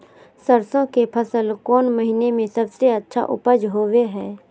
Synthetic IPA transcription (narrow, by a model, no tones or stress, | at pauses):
səɾsõkepʰəsəlkɔːnməɦinemẽsəbseətːʃʰa̰ʔʊ̰pəd͡ʒɦoːweɦɛː